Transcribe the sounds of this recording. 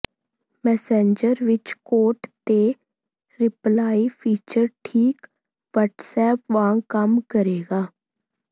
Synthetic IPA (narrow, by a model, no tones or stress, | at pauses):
mɛːsẽːɲd͡ʒəɾʋɪt͡ʃkoːʈt̪eː | ɾɪplaːiːpʰiːt͡ʃəɾʈʰiːk | ʋəʈsɛːpʋãːkəmkəɾeːɡaː